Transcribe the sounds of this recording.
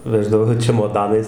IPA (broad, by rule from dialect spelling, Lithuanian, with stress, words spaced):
ˈʋʲæːʒdɐʋoː t͡ʃʲɛmoːˈdɑːnɐɪs